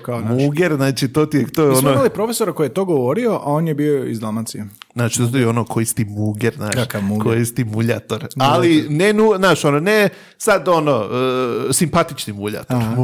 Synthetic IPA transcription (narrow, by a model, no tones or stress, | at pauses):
kamuɡeɾznaːt͡ʃit̪ot̪iet̪oːonomalipɾofesoɾakojijet̪oːɡoʋo̞ɾioʔao̞ːnjebiːoḭzd̪amat̪siaznaːt͡ʃi̥t̪ot̪ojeonokʰoist̪imuɡeɾzna̰ːkʃakaukʰojist̪imuʎa̰t̪oɾalinenuznaːʃonone | sad̪o̞noəsimpat̪it͡ʃnimuʎa̰t̪oɾ